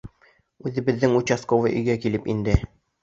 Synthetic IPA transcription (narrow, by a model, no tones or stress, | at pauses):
ʉðɘ̆bɘ̆ðːɘŋut͡ɕaskovɤʔɵ̰̆jɡækilɘpind̪ɘ